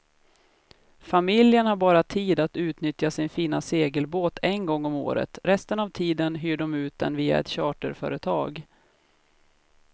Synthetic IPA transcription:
famɪljənhaɾbɑːɾat̪ʰiːd̪at̪ʉ̟ːt̪nʏt̪jasɪnfiːnaseːɡəlboːt̪ʰɛnɡɔŋːɔmo̰ːɾə̰t̪ɾɛst̪ənavt̪ʰiːd̪ənɦyːɖɔmʉ̟ːt̪̚d̪ɛ̰nviːa̰ɛ̰t̪ɕɑːʈəɾfœ̰ːɾət̪ʰɑ̰ːɡ

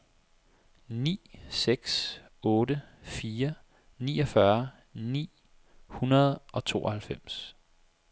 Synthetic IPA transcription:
nḭːseɡ̥s | ɔ̽ːɾəfiːɐ | nḭːɒ̽fɶɐ | nḭː | hunɐð̞̩ˠʔɒ̽t͡sʰo̝̰ːɒhælfem̰s

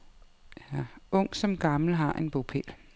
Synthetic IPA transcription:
æɔ̽ŋ̰sɒ̽mɡ̥ɑ̈ml̩ɦɑ̈ʔe̝nb̥opʰḛl

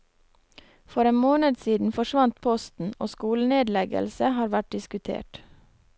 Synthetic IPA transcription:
fɔɾeːnmoːnəd̪siːd̪n̩fɔʃʋɑnt̪̚pʰɔst̪n̩o̰ːskuːləneːd̪lɛɡə̰lsəhɑːɾʋæʈ̚d̪ɪskʉt̪ʰḛːʈ

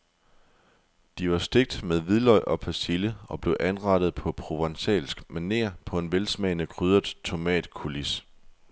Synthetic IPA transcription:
d̥iʋɑ̈sd̥e̝ɡ̥̚d̥með̞ˠʋið̞ˠlɒɪ̰ʔɒ̽pʰæsiləɒ̽b̥le̝ʊʔænʁɑ̈ɾ̥əð̩ˠpʰɒ̽pʰʁo̝ʋɑŋsɛ̰ːlsɡ̥mænːe̝̰ɐpʰɒ̽e̝nʋelsmɛːɪnəkʰʁyð̞ˠɐd̥ˠt͡sʰo̝mɛ̰ːd̥kʰulis

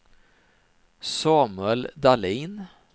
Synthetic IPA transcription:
sɑːmɛld̪aliːn

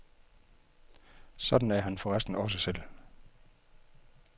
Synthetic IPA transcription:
sɒ̽d̥n̩æɐɦænfɒ̽ʁasd̥n̩ɒ̽s̬əsel̰

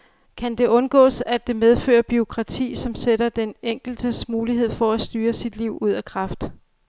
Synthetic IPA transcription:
kʰænd̥e̝ʔɔ̽nɡ̥ɔ̰ːsæd̥e̝með̞ˠfø̰ːɐb̥io̝kʰʁɑ̈t͡sʰḭːsɒ̽mseɾɐd̥eneŋ̰ɡ̥l̩d̥əsmuːliɦe̝ð̞̰ˠfɒ̽æsd̥yːɐsid̥liʊ̰uð̞̰ˠækʰʁɑ̈fd̥

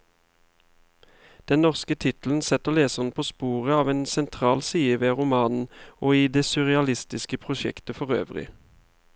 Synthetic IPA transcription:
d̪̥ɛnnɔʁskət̪ʰɪt̪l̩n̩sɛt̪əʁleːsəʁn̩pʰoːspuːʁəɑːʋeːnsɛnt̪ʰʁɑːlsiːəʋeːʁʊmɑːnn̩oːiːd̪eːsʉʁɛɑlɪst̪ɪskəpʰʁʊʃɛ̰kt̪əfɔʁø̰ːʋʁɪ̰

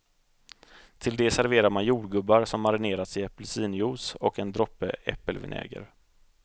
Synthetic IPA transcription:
t̪ʰɪld̪ɛsæɾveːɾaɾmanjuːɖɡɵbːaɾsɔmːaɾɪneːɾat̪sɪɛpəlsiːnjuːsɔkɛnd̪ɾɔpːəʔɛ̰pːəlvɪ̰nʔɛ̰ːɡə̰ɾ

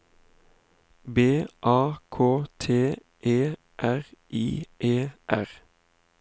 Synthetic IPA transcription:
beːʔɑːkʰoːt̪ʰeː | ʔeː | ʔæʁʔiːʔeːʔæʁ

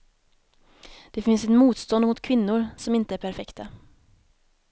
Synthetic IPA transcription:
d̪̥ɛfɪnsɛt̪muːt̪st̪ɔnd̪mʊt̪kʰvɪnːʊɾsɔmɪnt̪əæɾpʰæɾfɛkt̪a

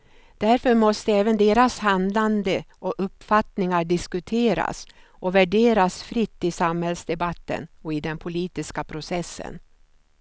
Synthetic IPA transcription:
d̪̥æɾfœɾmɔst̪əɛːvənd̪eːɾashand̪land̪əʔɔʔɵpːfat̪nɪŋaɖɪskɵt̪ʰeːɾa̰s | ʔɔvæɖeːɾasfɾɪt̪ːɪsamhɛlsd̪ɛbat̪ːə̰nɔɪd̪ɛnpʰʊliːt̪ɪskapʰɾʊsɛsːə̰n

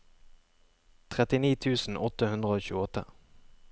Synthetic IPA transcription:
t̪ʰʁɛt̪ɪniːt̪ʰʉːsn̩ʔɔt̪əhʉnd̪ʁəoːçʉːəɔt̪ə̰

